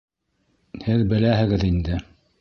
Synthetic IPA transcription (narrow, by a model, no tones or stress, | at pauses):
hɘðbɘ̆læɦɘ̆ɡɘðind̪ɘ